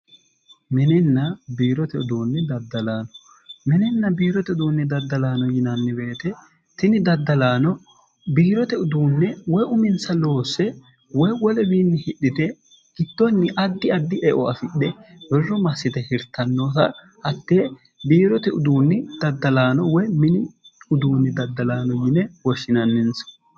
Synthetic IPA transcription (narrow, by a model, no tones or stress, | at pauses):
mɛnɪnːɐbiːɾɔt̪ɛʊd̪uːnːɛd̪ɐd̪ːɐlaːnɔ̥ | mɛnɪnːɐbiːɾɔt̪ɛʊd̪uːnːɛd̪ɐd̪ːɐlaːnɔjɪnɐnːɪbe̞ːt̪ɛ | t̪ɪnɪd̪ɐd̪ːɐlaːnɔ | biːɾɔt̪ɛʊd̪uːnːɛwɔjʊmɪnsɐlo̞ːsːɛ | wɔjwɔlɛbiːnːɪhɪɗːɪt̪ɛ | ɡ̥ɪd̪̥ːɔnːɪʔɐd̪ːɪɐd̪ːɪʔɛʔɔɐfɪɗɛbɛrːɔmɐsːɪt̪ɛhɪɾt̪ːɐnːo̞ːsɐ̰ | hɐt̪ːeː | biːɾɔt̪ɛʊd̪uːnːɪd̪̥ɐd̪ːɐlaːnɔwɔjmɪnɪʊd̪uːnːɪd̪ɐd̪ːɐlaːnɔjɪnɛwɔʃːɪnɐnːɪnsɐ̥